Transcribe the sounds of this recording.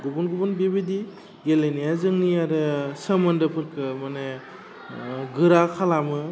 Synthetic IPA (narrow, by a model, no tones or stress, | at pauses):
ɡubunɡubɔnbibidi | ɡelenijazɯŋniaɾɯsəmɐndɯpʰɯɾkʰɯmane | ɡɯɾakʰalamɯ